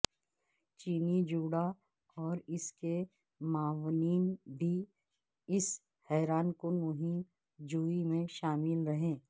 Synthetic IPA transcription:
t͡ʃiːnid͡ʒuːɽa | ɔːɾɪske | maːʋniːnbʱi | ɪs | hɛːɾaːnkomʊɦɪm | d͡ʒuːimẽʃaːmɪlɾɐɦẽː

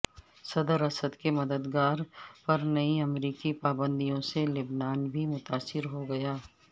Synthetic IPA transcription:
sɐd̪əɾɐsəd̪kemɐd̪əd̪ɡaːɾpɐɾnɐĩɐmɾiːkipaːbə̃nd̪ijõselɪbnaːnbʱimʊt̪aːsɪɾɦoɡɐjaː

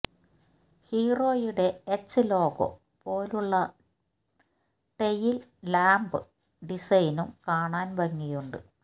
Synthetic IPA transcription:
hiːro̞ːjuɽe̞et͡ɕːɨlo̞ːɣo̞̰ | po̞ːluɭːɐ | ʈejillaːmbɨ | ɖisɐjnumkaːɳaːnʋɐŋːijuɳɖɨ̰

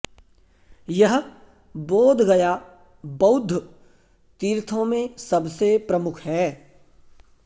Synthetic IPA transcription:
jɐɦ | boːd̪ʱɡɐja | bɐʊd̪ʱː | t̪iːɾt̪ʰõmẽsɐbsepɾɐmʊkʰɦɛː

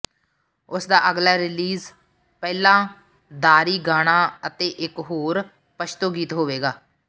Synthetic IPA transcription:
ʊsd̪aːʔəɡlaːɾɪliːz | pɛːlãː | d̪aːɾiːɡaːɽ̃aːət̪eːʔɪkɦoːɾ | pəʃʰt̪oːɡiːt̪ɦoːʋeːɡaː

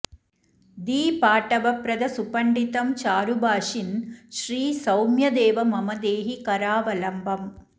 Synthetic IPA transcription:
d̪iːpaːʈɐʋɐpɾɐd̪ɐsupɐɳɖit̪ɐmt͡ʃaːɾubaːʂinʃɾiːsɐwmjɐd̪eːʋɐmɐmɐd̪eːɦikɐɾaːʋɐlɐmbɐm

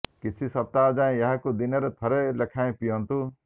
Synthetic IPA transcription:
kit͡ʃʰisʌp̚t̪ad͡ʒaẽjʌɦãkod̪ineɾet̪ʰɐɾelekʰaẽpijɔnt̪u

